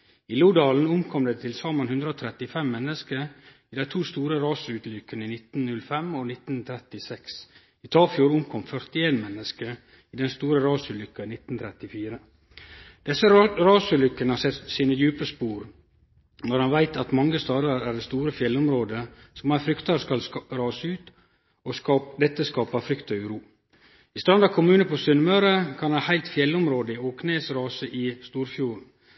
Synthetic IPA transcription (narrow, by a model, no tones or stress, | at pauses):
ɪluːd̪ɑːln̩ʊmkʰɔmd̪eːt̪ʰɪlsɑːmɑnhʉnd̪ɾoːt̪ʰɾɛt̪ɪfɛmːɛnːəskə | iːd̪æɪt̪ʰuːst̪uːɾəɾɑːsʉːt̪lʏkːəniːnɪt̪n̩nʉlːfɛmɔnɪt̪n̩t̪ʰɾɛt̪ɪsɛks | ɪt̪ʰɑːfɪuːɾʊmkʰɔmfœɾt̪ɪeːnmɛnːəskə | iːd̪ɛnst̪uːɾəɾɑːsʉlʏkːɑinɪt̪n̩t̪ʰɾɛt̪ɪfiːɾə | d̪̥ɛsəɾɑːsʉlʏkːənəhɑsɛt̪siːnəjʉːpəspuːɾ | nɔɾɑnʋæɪt̪ɑt̪mɑŋːəst̪ɑːd̪əɾæɖɛst̪uːɾəfjɛlːɔmɾoːd̪əsɔmæɾfɾʏkt̪əɾskɑlɾɑːsəʉːt̪ | ɔkɑd̪ɛt̪ːəskɑːpɑfɾʏkt̪ɑʉɾuː | ɪst̪ɾɑnd̪ɑkʰʊmʉːnəpʰosʏnːmɑʉɾəkʰɑnɑhæɪlt̪fjɛlːɔmɾoːd̪əɪokʰneːsɾɑːsəʔɪst̪uːɾfjuːɾn̩